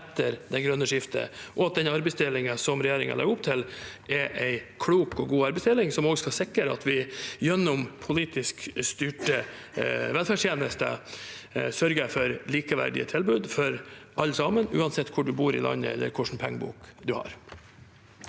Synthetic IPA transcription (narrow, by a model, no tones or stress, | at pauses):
ɛt̪ːəɾd̪æɪɡɾœnːəʂɪft̪ʰə̰ʔɔɑt̪̚d̪ɛnɑɾbɛɪsd̪elɪŋəsɔmɾɛjeːɾɪŋɑ̰lɑ̰ɡʊpt̪ʰɪlʔɛʔæɪkʰɽuːkɔɡuːɑɾbɛɪsd̪ɛlɪŋsɔmoːɡəskɑsɪkːəɾɑ̰t̪ʰʋɪjɛnːʊmpʰʊliːt̪ɪskst̪ʏʈə | ʋɛlfæʂjeːnəst̪ə̰ | sœɾɡəæɪfɔɾliːkəʋæ̰ɖɪ̰ə̰t̪ʰɪlbʉːd̪fɔɾʔɑlːəsɑːmənʉ̰ːɑnsɛt̪ːkʰʊɖʉbuːɾɪ̰lɑ̰nːə̰ɛ̰lːə̰ɾkʰʊʂn̩pʰɛŋːəbṵːkd̪ʉhɑ̰ɾ